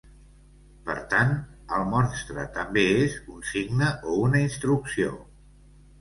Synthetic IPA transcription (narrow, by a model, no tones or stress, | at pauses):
pə̰ɾt̪anəlˠmɔnst̪ɾə̰t̪əmbeezunsiɡnəʔounəinst̪ɾuksio̰